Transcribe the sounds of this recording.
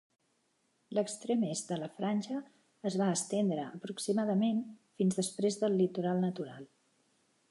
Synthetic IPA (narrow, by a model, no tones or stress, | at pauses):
ləkst̪ɾemezd̪ələfɾanʲʒəː | zβaəst̪end̪ɾəːpɾuksimaðəmenfinzðəspɾezðəlːit̪uɾalˠnət̪uɾa̰lˠ